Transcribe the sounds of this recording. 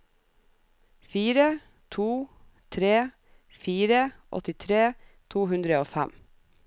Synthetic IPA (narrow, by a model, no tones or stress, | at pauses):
fiːɾə | t̪ʰuː | t̪ʰɾeː | fiːɾəʔɔ̰t̪ɪt̪ʰɾeː | t̪ʰuːɦʉnd̪ɾəoːfæ̰m